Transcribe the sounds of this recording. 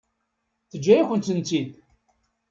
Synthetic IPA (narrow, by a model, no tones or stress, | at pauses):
θəd͡ʒːæjæçʷənt̪ənt̪id̪